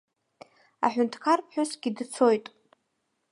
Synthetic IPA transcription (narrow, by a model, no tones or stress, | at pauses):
a̰ħʷᶣʊntʰkʰarpʰħᶣʊsɡʲidt͡sʰo̞jtʼ